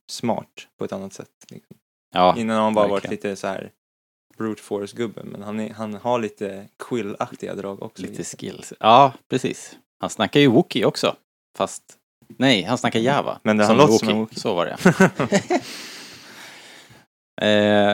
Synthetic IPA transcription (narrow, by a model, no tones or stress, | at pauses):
smɑ̰ːʈpʰɔɛt̪anːat̪sɛ̰t̪ːlɪ̰ksɔm | ʔɑːɪnːanahanbɑːɾavaɾɪliːt̪əsɔhæ̰ːɾ | b̥ɾuːd̪fɔːɾsɡɵbːə̰mɛ̰nhanɛɦanhaɭiːt̪ʰəkʰɪlakt̪ɪɡa̰d̪ɾɑːɡɔ̰kslit̪ʰəskɪ̰lsʔɑːpʰɾɛsḭːs | hansnakːaɾjɵwʊkːɪɔksɔ̰ | fast̪ | nɛjhansnakːajɛːva̰mɛnd̪ɛhanloːt̪sɔʊkːsovaɖɛ̰ | ʔɛ